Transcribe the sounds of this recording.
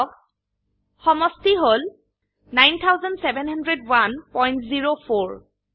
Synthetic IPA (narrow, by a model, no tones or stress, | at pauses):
ɔk̚ | xɔmɔstiɦol | najnt̪ʰawzɔndsɛbɛnhandɹedwanpɔjntziɹopʰoɹ